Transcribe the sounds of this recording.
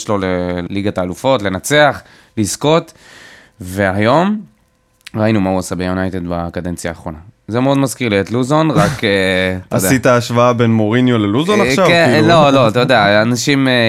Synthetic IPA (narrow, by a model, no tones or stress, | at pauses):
ʃloleliɡat̪aːlufo̞tle̞nat͡seaχ | lisko̞t̪ | ve̞ajo̞m | ʁainumauasabejunajt̪ed̪bakad̪e̞nt͡sjaːχʁo̞nazemeo̞d̪mazkiʁliet̪luzonʁaketaad̪eit̪aːʃvaabenmoʁinjoleluzonaχʃavlo̞lo̞at̪ajod̪eaanaʃim